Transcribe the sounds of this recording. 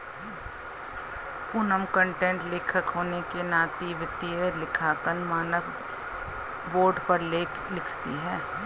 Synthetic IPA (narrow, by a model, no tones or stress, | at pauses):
pʊnəmkə̃ɳʈẽːɳʈleːkʰəkɦoːnekenaːt̪iʋɪt̪ielɪkʰaːkənmaːnək | boːɾɖpəɾleːkʰ | lɪkʰt̪iɦɛː